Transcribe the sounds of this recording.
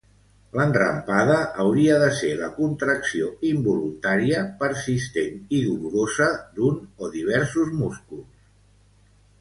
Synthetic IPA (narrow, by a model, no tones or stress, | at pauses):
lənrrə̰mpaðəʔːwɾiəðəseləkunt̪ɾəksioimbulunt̪aɾiəpəɾsist̪eniðuluɾozəd̪unoðiβ̞ɛɾsuzmuskulˠs